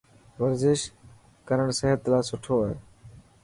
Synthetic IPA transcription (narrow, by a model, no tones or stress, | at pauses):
ʋəɾzɪʃ | kəɾəɳseɦət̪ːlaːsʊʈʰoː